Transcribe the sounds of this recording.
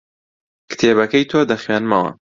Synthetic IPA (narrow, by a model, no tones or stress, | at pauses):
kɨ̥t̪ʰeːbɐkɐjt̪ʰoːd̪ɐxɥaːnmɐwɐ̰